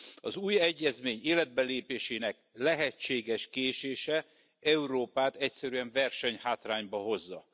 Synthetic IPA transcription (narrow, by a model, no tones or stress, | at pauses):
ɒzuːjɛɟːɛzmeːɲeːlɛd̪̚bɛleːpeːʃeːnɛk̚ | lɛɦɛt͡ʃːeːɡɛʃkeːʃeːʃɛ | ɛuɾoːpaːt̪ɛcsɛɾyɛɱvɛrʃɛɲhaːt̪raːɲbɒɦo̞zːɒ